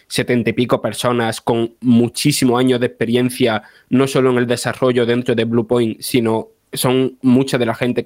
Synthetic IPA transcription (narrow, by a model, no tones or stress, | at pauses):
se̞t̪e̞nt̪aipiko̞pe̞ɾso̞nasko̞ŋmut͡ʃisimoaɲo̞ðehpe̞ɾjẽ̞n̟θja | no̞so̞loeŋe̞ld̪e̞saro̞ʝoðe̞nt̪ɾo̞ðeβlupojŋsino̞ | so̞ŋmut͡ʃaðe̞laxẽ̞nt̪e̞